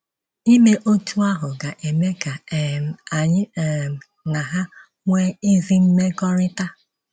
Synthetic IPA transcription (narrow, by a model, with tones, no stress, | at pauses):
i˦me˦ʔo˦tʰu˦a˦ɦʊ˨ɡa˨ʔe˨me˦ɡa˨m˨a˨ɲɪ˦˨m̩˨ | na˨ɦa˦ | ŋʷe˦i˦zi˦m̩˦me˦ɡɔ˦ɾɪ˦ta˦